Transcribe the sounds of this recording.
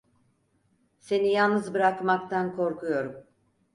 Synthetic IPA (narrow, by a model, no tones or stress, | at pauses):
se̞nijalˠnɯzbɯɾakmakt̪ʰankʰo̞ɾkʰujo̞ɾum